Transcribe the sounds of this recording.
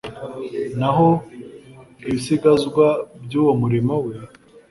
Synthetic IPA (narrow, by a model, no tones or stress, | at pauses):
naɦo | iβisiɡazɡwabɟuːwomuɾimo̞we̞